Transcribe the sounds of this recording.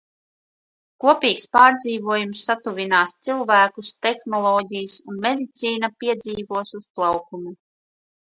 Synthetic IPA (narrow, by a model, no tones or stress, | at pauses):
kuɔpiːkspaːɾd̪ziːvuɔjumsːat̪uvʲinaːst̪silˠvæːkust̪exnɔlˠɔːɟʲijsunmed̪it̪siːnapiɛd̪ziːvuɔsusplˠawkumu